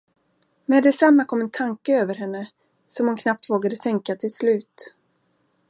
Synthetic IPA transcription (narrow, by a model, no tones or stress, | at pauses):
mɛd̪ɛsamːakʰɔmːɛnt̪ʰaŋkəøːvəɾɦɛnːə | sɔmhʊnkʰnap̚t̪voːɡad̪ət̪ʰɛŋkat̪ʰɪlslʉ̟ːt̪